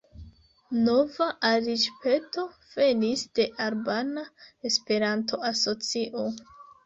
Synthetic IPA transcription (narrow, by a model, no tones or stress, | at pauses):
no̞vaʔaɾid͡ʒpe̞to̞v̥e̞nisd̥e̞ʔaɾbanae̞spe̞ɾantʰo̞aso̞t͡siʔo